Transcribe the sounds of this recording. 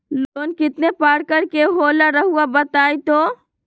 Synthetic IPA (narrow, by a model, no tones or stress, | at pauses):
loːnkɪt̪nepaːɽkəɾkeɦoːlaɾəɦuabət̪aːjt̪o